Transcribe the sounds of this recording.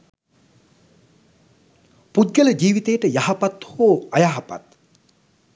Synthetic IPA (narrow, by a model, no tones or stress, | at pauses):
pud̪̚ɡələd͡ʒiːʋit̪ejəʈəjaɦapat̪hoːajaɦapa̰t̪